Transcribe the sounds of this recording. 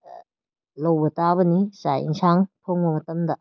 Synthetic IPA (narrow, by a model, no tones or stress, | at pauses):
lɐwbɐtabɐnisajḭŋsʰaŋpʰoŋbɐmɐtɐmdɐ